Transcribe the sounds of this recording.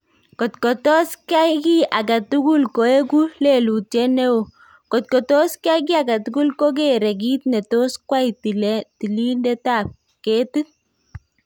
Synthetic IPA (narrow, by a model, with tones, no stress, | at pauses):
kɔ˨tkɔ˨tɔ˦ska˦jki˦ʔa˨ka˨tu˦ɡu˦lko˨˦ɛ˦ku˦le˨lu˨t͡ʃɛ˦nɛ˦wo˨ | kɔ˨t̪̚kɔ˨tɔ˦ska˦k̬i˦a˨ka˨tu˦ɡu˦lkɔ˦k̬eɾɛ˨k̬i˦t̪̚nɛ˨to˦skwa˦jti˨lɛ˦ti˨li˦ndɛ˦ta˨p̚ | ke˦ti